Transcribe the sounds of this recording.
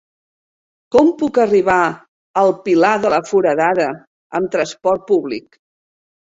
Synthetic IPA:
kɔmpukəriβa | əlˠpilaðələfuɾəðaðə | əmt̪ɾəspɔrt̪̚puβlik

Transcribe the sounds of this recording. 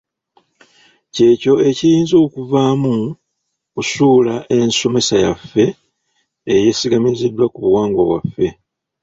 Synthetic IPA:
ce̞ːco̞e̞cijiːnzo̞ːkuvaːmu | kusuːlaʔe̞nso̞me̞sajafːe̞ː | jesiɡamizidːwakuβuwaːŋɡwoβwa̰fːe̞

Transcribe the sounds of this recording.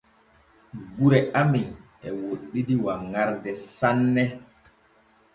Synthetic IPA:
ɡuɾɛamin | ɛwoɗːidiwaŋaɾdɛsanːɛ

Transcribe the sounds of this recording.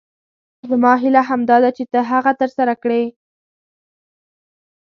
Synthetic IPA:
zəmɑɦilaɦamd̪ɑd̪at͡ʃet̪əɦaɣat̪əɾsaɾakɽe

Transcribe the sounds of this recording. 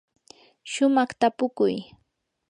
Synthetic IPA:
ʃʊmɑχt̪apʊkʊ̰j

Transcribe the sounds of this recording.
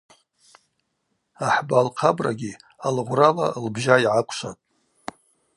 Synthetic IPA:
aħbalqʰabraɡʲi | alʁʷralalbʒaiʕakʷʰʃatʼ

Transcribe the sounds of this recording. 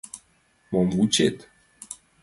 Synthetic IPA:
mɔmvut͡ʃet̪

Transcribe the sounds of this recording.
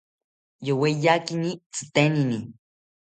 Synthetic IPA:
jowejakinit͡sɨ̥t̪enini

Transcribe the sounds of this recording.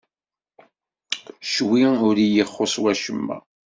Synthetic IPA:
ʃwiʊɾijəχːoswæʃəmːæ̰

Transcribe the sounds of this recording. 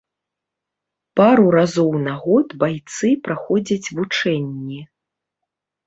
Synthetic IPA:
paɾuɾazɔwnaɣɔt̪bajt̪sɨpɾaxɔd͡zʲɐt͡sʲvut͡ʂɛnʲːi

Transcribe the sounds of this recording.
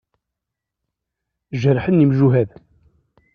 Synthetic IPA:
ʒəɾħənːimʒuɦæð

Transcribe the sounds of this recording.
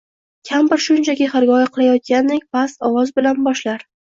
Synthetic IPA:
kʲʰambɪɾʃʊnt͡ʃʰaɡʲɪhɪɾɡʲɒjaqʰɨlˠajɒt̪̚kʲanːɪkʲpʰast̪ɒwɒzbɪlanbɒʃlaɾ

